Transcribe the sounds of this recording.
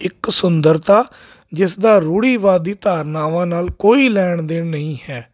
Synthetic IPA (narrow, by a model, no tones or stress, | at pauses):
ɪksʊnd̪əɾt̪aː | d͡ʒɪsd̪aːɾuːɽiːʋaːd̪iːt̪aːɾnaːʋãːnaːlkoːiːlɛːɳd̪eːnəĩːhɛː